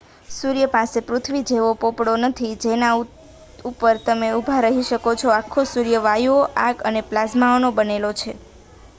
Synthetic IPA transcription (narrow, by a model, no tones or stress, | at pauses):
suɾjəpasepɾʊt̪ʰʋid͡ʒeʋopopɽonət̪ʰid͡ʒenau | upəɾt̪əmeubʱaɾəɦiʃəkot͡ʃʰoakʰːosuɾjəʋajoʔaɡəneplasmaonobənelot͡ʃʰe